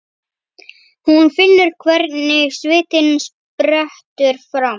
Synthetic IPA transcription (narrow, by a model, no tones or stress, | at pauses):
hunfɪnːʏɾ̥kʰvɛɾt̪nɪsvɪːt̪ɪns | pɾɛht̪ʏɾ̥fɾam